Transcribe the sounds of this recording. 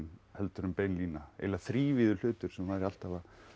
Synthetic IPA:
nhɛlt̪ʏɾʏmpeːjnliːnaḛjlaθɾiːvɪðʏl̥ʏːt̪ʏɾ̥sɛmvaðɾɪal̥t̪ava

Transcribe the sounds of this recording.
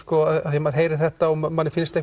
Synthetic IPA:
kɔːaðaðjɛmaɾ̥ɦeːjɾɪ̥θɛht̪aɔmmanːɪfɪlst̪e

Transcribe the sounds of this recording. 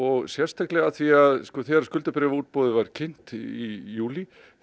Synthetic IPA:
ɔɣsjɛ̥st̪ʰaklɛɣaθviaðskɔθɛɾḁskʏlt̪ʏpɾɛːvuːt̪̚poːðɪvaɾ̥cʰɪn̥t̪ijuːli

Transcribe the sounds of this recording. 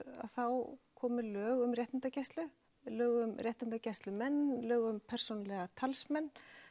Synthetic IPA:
a̰ðθawkʰɔːmʏlœːɣʏmrjɛht̪ɪnt̪acɛst̪lʏ | lœːɣʏmrjɛht̪ɪnt̪acɛst̪lʏmɛnːlœːɣʏmpʰɛr̥sonalɛɣat̪ʰalsmɛnː

